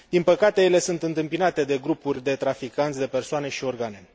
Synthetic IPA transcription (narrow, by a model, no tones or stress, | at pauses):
d̪inpəkat̪e̞je̞le̞sunt̪ɨnt̪ɨmpinat̪e̞d̪e̞ɡɾupurʲd̪e̞t̪ɾafikant̪ʲd̪e̞pe̞rsoane̞ʃio̞rɡane̞